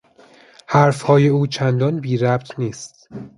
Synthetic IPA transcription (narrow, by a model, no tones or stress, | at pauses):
hæɾfhɒːje̞uːt͡ʃʰænd̪ɒnbiːɾæp̚t̪ʰniːst̪̚